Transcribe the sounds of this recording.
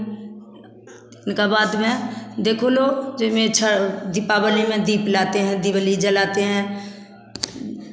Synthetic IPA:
ɪnkabaːd̪mɛ̃d̪eːkʰoloːd͡ʒɪmẽt͡ʃʰəd̪ipaːbəlimẽd̪iːplaːt̪eɦɛ̃d̪ibəlid͡ʒəlaːt̪eɦɛ̃ː

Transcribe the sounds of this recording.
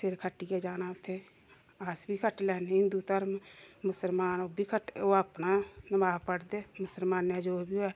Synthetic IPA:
seɾkʰəʈːiked͡ʒaːnaːʊt̪ʰeː | aːsbʱikʰəʈlɛːnɦɪ̃nd̪ut̪əɾmmʊsəlmaːnoːbʱikʰəʈoːapnanəmaːpəɽd̪eːmʊsəlmaːnjad͡ʒoːbioɛ

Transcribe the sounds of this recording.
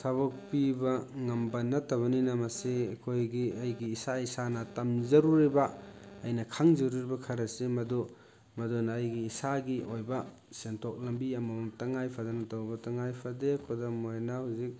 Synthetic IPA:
sabɔk̚pibɐŋɐmbanɐtɐβɐninɐmɐsiɐkʰojɡiɐjɡiːsaisanɐtamzɐɾuɾibaːjnɐkʰaŋzɐɾuɾibɐkʰɐɾɐsemɐdu | mɐdunːjɡiːsaɡiʔojbɐ | sentʰok̚lɐmbiamɐmataŋajpʰadanɐtawbɐtɐŋajpʰadekʰɔdamojnahuzik̚

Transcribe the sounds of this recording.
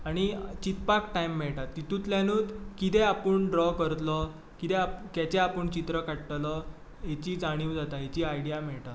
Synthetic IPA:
aɽ̃it͡ɕit̪̚pakʈaimːɛɭʈat̪ːit̪ut̪ljãnuːd̪kit̪ɛapəɳɖɾɔkəɾt̪lɔ | kit̪ɛapkɛt͡ɕeapəɳt͡ɕit̪ɾəkaɽʈlɔ | ɦet͡ɕiːd͡zaɽ̃iːwd͡zat̪aɦet͡ɕiːajɽijamɛɭʈat̪

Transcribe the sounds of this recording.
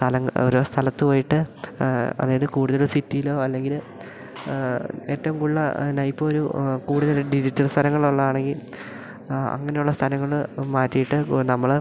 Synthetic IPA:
t̪ʰɐlɐŋːoɾust̪ʰɐlɐt̪ːɨpoːjiʈːɨ | ɐ̰ðeilðkuːɽuðɐloɾsitːijilo̞ːɐlːe̞ŋɡil | e̞ːtːɐʋumkuɭːɐnɐjpːooɾukuːɽuðɐuɖid͡ʑitːɐlst̪ʰɐlɐŋːɐɭuɭːɐðaːɳe̞ŋɡil | ɐ̰ŋːɐne̞juɭːɐst̪ʰɐlɐŋːɐɭmaːtːijiʈːɨnɐmːɐɭ

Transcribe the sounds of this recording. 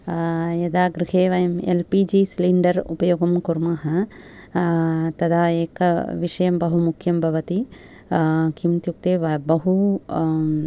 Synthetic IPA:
jɐd̪aːɡɾiɦeːʋɐjɐmḛlpiːd͡ʒiːsliɳɖɐɾṵpɐjoːɡɐmkuɾmaɦɐ | t̪ɐd̪aːeːkɐʋiʃɐjɐmbɐɦumukʰːjɐmbʱɐʋɐt̪i | kʰimt̪juk̚t̪eːʋɐbɐɦu

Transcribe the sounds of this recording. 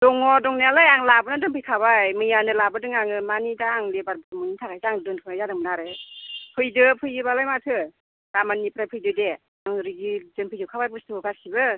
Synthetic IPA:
dɔŋɔdɔŋnialajaŋlabɯnadɯnpʰɯjkʰabajmɯjanɯlabɯdɯŋaŋɯmanidaːŋlebaɾbɯtmɯnitʰakʰajzaŋdɯnpʰɯnajzadɯŋbɯnaɾɯpʰɯjdɯpʰɯjɯbalajmatʰɯ | damanːipɾajpʰɯjdɯde | aŋɾiɡizɯnpʰɯjɯwkʰabajbɯstʰɯkɯkasibɯ

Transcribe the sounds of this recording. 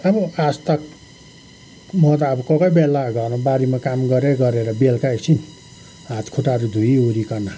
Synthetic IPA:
ʌbʌast̪ʌk | mʌt̪aːbʌkʌkʌjbelaɡʱʌrnobaɾimakamɡʌɾeɾɡʌɾeɾʌbelkaeksin | ɦat̪kʰuʈaɾud̪ʱujoɾikʌna

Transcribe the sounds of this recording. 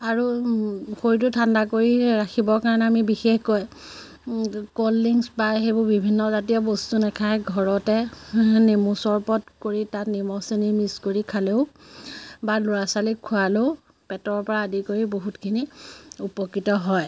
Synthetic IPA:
aɹu | xojt̬ʊtʰandakoɹiɹaxʰibɔɹkaɹɔnɛamibixexkɔj | kolːiŋsbaɦebʊbibʱinːɔzatijɔbɔstunɛkʰajɡʱɔɹɔtɛnemusɔɹpɔtkoɹitatnimɔsenimiskoɹikʰaleʊ | balʊɹasalikʰːʊalow | pɛtɔɹpɔɹaːdikoɹiboɦutkʰiniupɔkɹitɔɦɔj

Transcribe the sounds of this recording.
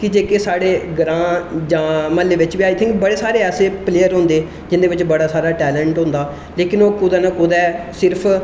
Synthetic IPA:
kɪd͡ʒeːkesaːɽeːɡɾãːd͡ʒãːməlːeːʋɪt͡ʃʋiaːit̪ʰɪ̃ŋkbəɽeːsaːɾeːɛːseːpleːəɾɦõːnd̪eː | d͡ʒɪnd̪eːʋɪt͡ʃbəɽaːsaːɾaːʈɛːlɛ̃ːɳʈɦõːnd̪aː | leːkɪnoːkʊd̪aːnãːkʊd̪ɛːsɪɾpʰ

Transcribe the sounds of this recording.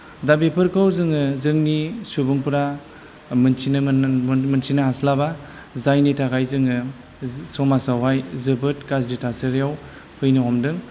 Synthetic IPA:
dabipʰɯɾkʰɯwzɯŋɯzɯŋnisubɯŋpɯɾa | mɯnsʰin | mɯnsʰinaɦaslaba | zajnitakʰajzɯŋɯ | sɔmasawɦajzɯbɯt̚kazditasɯɾijaw | pʰɯjnɯɦɔmdɯŋ

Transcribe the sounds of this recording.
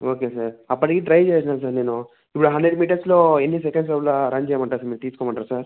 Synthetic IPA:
oːkesaɾɐpːɐʈikiːʈɾɐjt͡ʃeːjsinaːus̬aːɾne̞ːnu | ipːuɽuɦɐnɖɾeɖmiːʈɐɾslo̞ːenːis̬ekeɳsɐʋlaɾɐɲd͡ʒeɐmɐɳʈaːsɐmiːt̪iːsukɔmɐɳʈːaɾsaɾ

